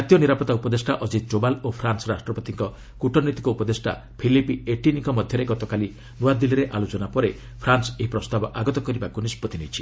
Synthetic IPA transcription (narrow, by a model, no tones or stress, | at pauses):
at̪jɔniɾapɔt̪aupɔd̪esʈaʔɔd͡ʒid̪̚d͡ʒobalopʰɾansɔɾasʈɾɔpɔt̪iŋkɔ | kuʈʰɔnit̪i̥kɔupɔd̪esʈa̰ | pʰilipieʈiniŋkɔmɔd̪ʱjɔɾeɡɔt̪ɔkali | nuad̪iliɾeʔalot͡ʃɔnapɔɾe | pʰɾansɔeɦipɾɔst̪abɔʔaɡɔt̪ɔkɔɾibakunispɔt̪init͡ʃʰi̥